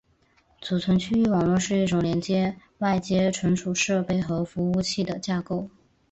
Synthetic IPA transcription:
t͡su˨˩t͡sʰwə˧˥nt͡ɕʰy˥y˥˩wɑ˨˩ŋlwɔ˥˧ʂɻ̩˥˧i˥˩ʈ͡ʂʊ˨˩ŋljɛ˧˥nt͡ɕjɛ˥ | wa˥˧ɪt͡ɕjɛ˥ʈ͡ʂʰwə˧˥nʈ͡ʂʰu˨˩ʂɤ˥˧pe˥˩ɪxɤ˧˥fu˧˥u˥˧t͡ɕʰi˥˩d̪ə˩t͡ɕja˥˧ko˥˩ʊ

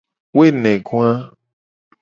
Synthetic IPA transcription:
we˦nɛ̃˨ɡũ˦a˦

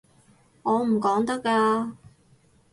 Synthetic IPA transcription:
ŋɔː˨˧m̩˨˩kɔː˨˥ŋt̪ɐ˥kːaː˧

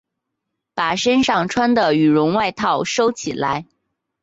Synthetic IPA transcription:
pa˨˩ʂə˥nʂɑ˥˩ŋʈ͡ʂʰwa˥nd̪ə˨y˨˩ɻʊ˧˥ŋwa˥˧ɪt̪ʰɑ˥˩ʊʂo˥ʊt͡ɕʰi˨˩la̰˧˥ɪ

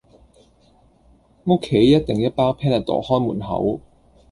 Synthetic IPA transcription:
ŋo˥kʰːe˨˥jːɐ˥t̚t̪e˨ŋjɐ˥t̚paː˥pʰɛː˥nɐ˨t̪ɔ̰ː˨˩hɔː˥jmuː˨˩nɦɐ̰˨˥w

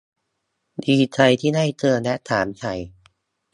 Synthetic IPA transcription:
diː˧t͡ɕʰa˧jt̪ʰiː˥˩da˥˩jt̪ɯ˧ənɛ˦˥t̪ʰaː˩˦mt͡ɕʰa˧˩j

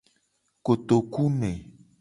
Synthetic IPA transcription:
ko˨t̪o˨ku˦nẽ˨

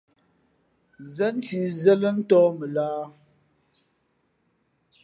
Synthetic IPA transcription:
zɛ˦n̩˦ti˨zɛ˦lə˦n̩˦tɔː˦mə˨laː˦

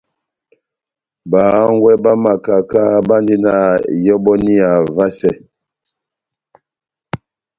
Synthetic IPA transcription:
ba˨˦ŋ˦ɡwɛ˦ba˦ma˨ka˨ka˦ba˦ndi˦na˦˨jɔ˦bɔ˦ni˦a˨va˦sɛ˦˨

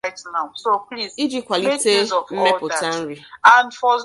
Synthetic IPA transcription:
tna˨so˨pli˦zi˦d͡ʒi˦kʷa˨li˦te˦m̩˦me˦pʊ˨ta˦n̩˦ɾi˨ã˨nfɔ˨z

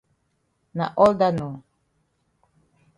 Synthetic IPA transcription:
na̰˨ʔɔ˦lda˦nɔ˨

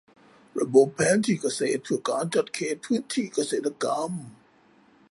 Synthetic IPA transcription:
ɾa̰˧bo˨˩pʰːɛː˨˦˥nt̪ʰiː˧˩ka˧seː˨˩t̪̚pʰɯ˧˩əkaː˧˥nt͡ɕa˨˩t̪̚kʰeː˨˩t̪̚pʰɯː˦˥nt̪ʰiː˧˩ka˧seː˨˩t̪ʰːa˧ka˧˥m

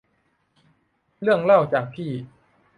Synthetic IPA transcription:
lɯ˥˩əŋla˥˩wt͡ɕaː˨˩k̚pʰiː˥˩

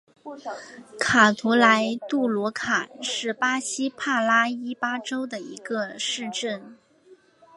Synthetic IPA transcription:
kʰa˨˩t̪ʰu˧˥la˧˥ɪt̪u˥˩lwɔ˧˥kʰa˨˩ʂɻ̩˥˩pa˥ɕi˥pʰa˥˩la˥i˥pa˥ʈ͡ʂo˥ʊd̪ə˨ḭ˧˥ɡə˧ʂɻ̩˥˧ʈ͡ʂə˥˩n

